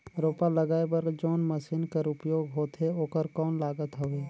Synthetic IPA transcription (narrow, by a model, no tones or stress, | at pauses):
ɾoːpaləɡaːebəɾd͡ʒoːnməʃiːnkəɾʊpjoːɡɦoːt̪ɦeoːkəɾkɔːnlaːɡət̪ɦəʋeː